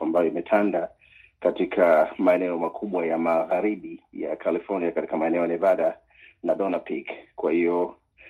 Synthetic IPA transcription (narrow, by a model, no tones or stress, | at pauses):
ambajɔimɛtʰanda | katikʰamaɛnɛɔmakʰuɓwajamaɣaɾiɓija̰kʰalifɔniakati̥kamaɛnɛɔjanɛvaɗa | naɗɔnapikkwahijɔ